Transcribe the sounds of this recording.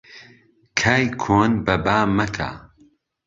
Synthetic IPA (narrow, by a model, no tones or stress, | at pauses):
kʰaːjkʰoːnbɐbaːmɐkʰa̰